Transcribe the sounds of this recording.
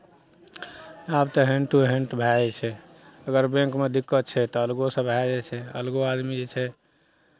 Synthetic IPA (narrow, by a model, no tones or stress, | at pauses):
abt̪ɔɦẽɳʈuɦeɳʈbʱaɛt͡ʃʰɛ | əɡəɾbẽŋkmed̪ikːət̪̚t͡ʃʰɛt̪ɔəlɡosə̃bʱad͡ʒɛt͡ʃʰɛə̰lɡoad̪mid͡ʒɛt͡ʃʰɛ